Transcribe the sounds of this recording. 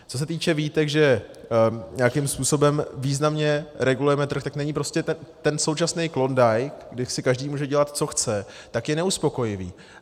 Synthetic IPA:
t͡so̞s̬ɛt̪iːt͡ʃɛviːt̪ɛɡʒɛ | ɲɛakɪmspuːso̞bɛmviːznamɲɛɾɛɡulujɛmɛt̪r̩xt̪aknɛɲipɾo̞scɛt̪t̪ɛnsowt͡ʃasnɛjklo̞ndajkɡdɪsɪkaʒdiːmuːʒɛɟɛlat̪t͡so̞xt͡sɛ | t̪akjɛnɛuspo̞ko̞jɪvḭː

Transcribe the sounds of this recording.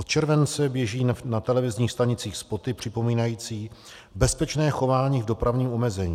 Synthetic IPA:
ot̪t͡ʃɛɾvɛnt͡sɛbjɛʒiːnat̪ɛlɛvɪzɲiːxst̪aɲɪt͡siːxspo̞t̪ɪpr̥ɪpo̞miːnajiːt͡siː | bɛspɛt͡ʃnɛːxo̞vaːɲiːvdo̞pɾavɲiːmo̞mɛzɛɲiː

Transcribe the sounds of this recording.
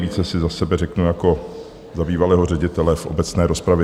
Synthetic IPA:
viːt͡sɛsɪzasɛbɛɾɛknujako̞ | zabiːvalɛːɦorɛɟɪt̪ɛlɛfʔo̞̰bɛt͡snɛːɾo̞spɾavjɛ

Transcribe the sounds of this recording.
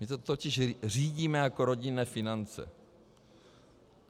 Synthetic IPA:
mɪsɛt̪ocɪʃr̝iːɟiːmɛjako̞ɾo̞ɟɪnɛːfɪnant͡sɛ̰

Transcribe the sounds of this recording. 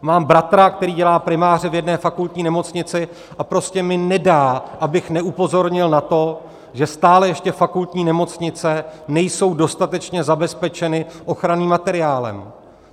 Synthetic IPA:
maːmbɾat̪ɾakt̪ɛɾiːɟɛlaːpɾɪmaːr̝ɪvjɛdnɛːfakult̪ɲiːnɛmo̞t͡sɲɪt͡sɪ | ʔapɾo̞scɛmɪnɛdaːʔabɪxnɛʔupo̞zo̞ɾɲɪlnat̪o̞ | ʒɛst̪aːlɛjɛʃcɛfakult̪ɲiːnɛmo̞t͡sɲɪt͡sɛnɛjso̞wdo̞st̪at̪ɛt͡ʃɲɛzabɛspɛt͡ʃɛnɪʔo̞xɾaniːmːat̪ɛɾɪjaːlɛ̰m

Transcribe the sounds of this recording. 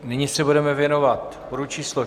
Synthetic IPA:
nɪɲɪsɛbudɛmɛvjɛno̞vat̪poɾut͡ʃiːslo

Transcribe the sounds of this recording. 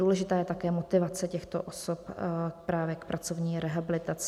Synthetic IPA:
uːlɛʒɪt̪aːjɛt̪akɛːmot̪ɪvat͡sɛcɛxt̪o̰ʔosopk̚pɾaːvjɛkpɾʔat͡so̞vɲiːɾɛɦabɪlɪt̪at͡s

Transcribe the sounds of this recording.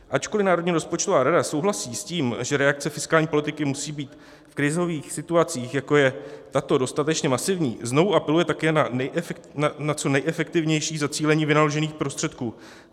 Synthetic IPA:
ʔat͡ʃko̞lɪnaːɾo̞dɲiːɾo̞spo̞t͡ʃt̪o̞vaːɾadaso̞wɦlasiːsciːmʒɛɾɛak̚t͡sɛfɪskaːlɲiːpo̞lɪt̪ɪkɪmusiːbiːt̪ | fkɾɪzo̞viːxsɪt̪uat͡siːxjako̞jɛt̪at̪o̞do̞st̪at̪ɛt͡ʃɲɛmasɪvɲḭːzno̞vuʔapɛlujɛt̪akɛːnanɛjʔanat͡so̞nɛjʔɛfɛk̚t̪ɪvɲɛjʃiːzat͡siːlɛɲiːvɪnaloʒɛniːxpɾo̞st̪r̥ɛt̪kuː

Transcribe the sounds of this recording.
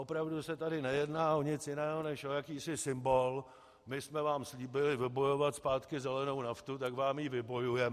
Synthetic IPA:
opɾavdusɛt̪adɪnɛjɛdnaːʔo̞ɲɪt͡sjɪnɛːɦo̞nɛʃojakiːsɪsɪmbo̞l | mɪsmɛvaːmsliːbɪlɪvɪbo̞jo̞vat̪spaːt̪kɪzɛlɛno̞wnaft̪ut̪akvaːmjivɪbo̞jujɛm

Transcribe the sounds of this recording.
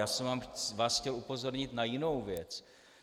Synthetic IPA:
jaːsɛmvaːmvaːsxcɛlupo̞zo̞ɾɲɪt̪najɪno̞wvjɛt͡s

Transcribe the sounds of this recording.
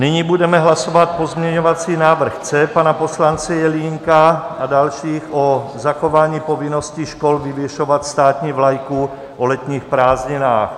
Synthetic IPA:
nɪɲibudɛmɛɦlaso̞vat̪̚po̞zmɲɛɲovat͡siːnaːvr̩xt͡sɛpanaposlant͡sɛjɛliŋkaadalʃiːxʔozaxovaːɲiːpovɪnosciʃkolvɪvjɛʃovat̪st̪aːt̪ɲiːvlajku | ʔolɛt̪ɲiːxpɾaːzɲɪnaːx

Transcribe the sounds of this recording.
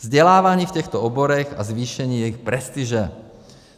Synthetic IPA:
zɟɛlaːʋaɲiːfcɛxt̪ɔɔboɾɛɣa̰zvʋiːʃɛɲiːjɛjixpɾɛst̪iʒɛ

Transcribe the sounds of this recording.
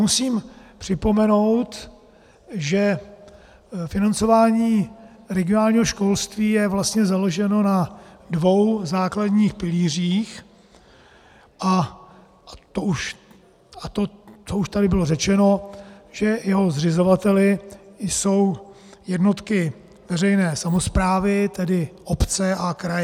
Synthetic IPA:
musiːmpr̝̥ɪpo̞mɛno̞wt̪ | ʒɛ | fɪnant͡so̞vaːɲiː | ɾɛɡɪonaːlɲiːɦo̞ʃko̞lst̪viːjɛvlast̪ɲɛzalo̞ʒɛno̞nadvo̞wzaːkladɲiːxpɪliːr̝iːx | ʔa | t̪ouʃ | at̪ot͡souʃt̪adɪbɪlo̞rɛt͡ʃɛno̞ʒɛjɛɦo̞zr̝ɪzo̞vat̪ɛlɪjso̞wjɛdno̞t̪kɪ | vɛrɛjnɛːsamo̞spɾaːvɪt̪ɛdɪʔopt͡sɛʔakɾaj

